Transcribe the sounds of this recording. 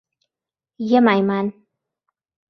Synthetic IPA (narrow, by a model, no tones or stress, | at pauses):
jɛmajman